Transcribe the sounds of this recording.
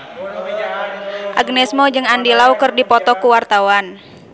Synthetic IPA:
ʔaɡnɛsmɔd͡ʒɨŋandilaukɨrdipɔt̪ɔkuwart̪awan

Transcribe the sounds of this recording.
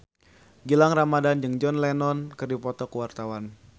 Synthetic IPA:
ɡilaŋramadand͡ʒɨŋd͡ʒɔnlɛnɔnkɨrdipɔt̪ɔkuwart̪awan

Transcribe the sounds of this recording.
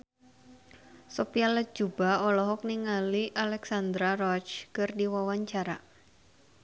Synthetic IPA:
sɔpialəd͡ʒubaɔlɔɦɔk̚niŋaliʔalɛksand̪ɾarɔt͡ʃkɨrdiwawaɲt͡ʃaɾa

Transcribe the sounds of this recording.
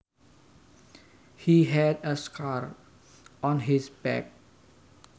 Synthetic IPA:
hiɦɛdəskʰaɹ | ɔ̃nɦisbɛ̰k̚

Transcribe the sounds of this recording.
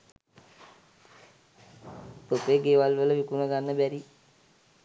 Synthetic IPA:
t̪opeɡeːʋalʋələʋikunəɡanːəbæɾi

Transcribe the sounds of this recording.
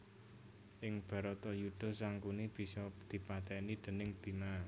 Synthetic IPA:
ʔɪŋb̥a̤ɾɔt̪ɔjud̪̥ɔ̤saŋkunib̥i̤sɔd̪̥i̤pat̪ɛnid̪̥ə̤nɪŋd̪̥i̤ma

